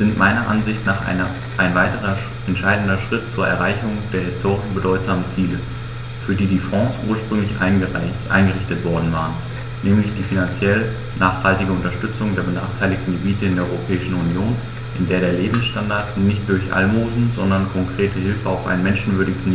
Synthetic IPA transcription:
z̥ɪntmʔaɪnɐʔa̰nzɪçtnaːχʔa̰ɪnɐ | ʔaɪnvaɪtəʁ̞ɐ | ʔɛntʃaɪdn̩dɐʃʁ̥ɪt̚t͡suːɐɛ̰ɐʁaɪçʊŋd̥eːɐɦɪstʰoːʁɪʃbədɔʏtz̥aːmənt͡siːlə | fyːɐdiːdiːfʁ̥ɑ̃ːsʔuːɐʃpʁ̥ʏŋlɪç | ʔa̰ɪnɡəʁɪçtətv̥ɔɐdn̩vaːʁən | nɛːmlɪçd̥iːfinant͡sjɛl | nʔaːχhaltɪɡəʊntɐʃtʏt͡sʊŋdeːɐbəna̰ːχtʰaɪlɪçtn̩ɡəbiːtəɪndeɐʔɔʏʁopʰɛːɪʃn̩unjoːn | ʔɪndeːɐɾeːɐleːbm̩sʃtandaɐtnɪçt̚d̥ʊɐçʔa̰lmoːzn̩zɔndɐnkʰɔŋkʁ̥eːtəɦɪlfəaʊfʔa̰ɪnmɛnʃn̩vʏɐɾɪɡəsn

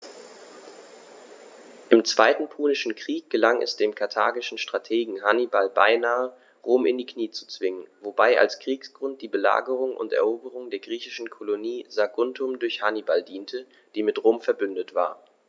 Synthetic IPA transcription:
ʔɪmt͡sv̥aɪtn̩pʰuːnɪʃn̩kʁ̥iːk̚ɡ̥əlaŋɛ̰sd̥eːmkʰaɐtʰaːɡɪʃn̩ʃtʁ̥atʰeːɡŋ̩ɦanibalba̰ɪnaːə | ʁoːmɪ̰ndiːkʰniːt͡su̥t͡sv̥ɪŋənvobaɪʔa̰lskʁ̥iːksɡ̥ʁʊnt̚d̥iːbəla̰ːɡəʁ̞ʊŋʔʊ̰ntɛ̰ɐʔoːbəʁʊŋdeːɐɡʁiːçɪʃn̩kʰoloniːzaɡʊntʰʊmdʊɐçhanibaldiːntʰə | d̥iːmɪtʁoːmfɛɐbʏndətv̥a̰ːɐ

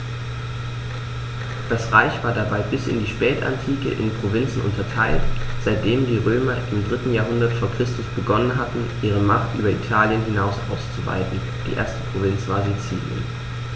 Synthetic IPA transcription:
d̥asʁaɪçv̥aːɐdabaɪbɪsɪ̰ndiːʃpɛːta̰ntʰiːkə̰ʔɪ̰npʁ̥ovɪnt͡sn̩ʔʊ̰ntʰɐtʰaɪltz̥aɪt̚d̥eːmdiːʁøːmɐʔɪmdʁɪtn̩jaːɐɦʊndɐtfoːɐkʁ̥ɪstʊsb̥əɡɔnənɦatn̩ʔiːʁ̞əmaχtʔyːbɐḭtʰaːljənhɪnaʊsʔa̰ʊst͡suva̰ɪtn̩ | d̥ḭːʔḛːɐstə̥pʁ̥ovɪnt͡sv̥aːɐzet͡sḭːljə̰n

